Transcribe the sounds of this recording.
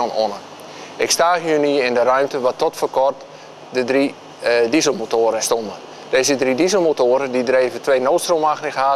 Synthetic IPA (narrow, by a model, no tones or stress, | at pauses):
ono̰nə | ɪkstaːjyniəɪndərœɥmtəʋatɔtfərkɔrt | dədri | dizəlˠmotoːɾəstondə | deːzədridizəl̩ˠmotoəɾədidreːvətʰʋeːnoːtstrolˠmaxnɪxa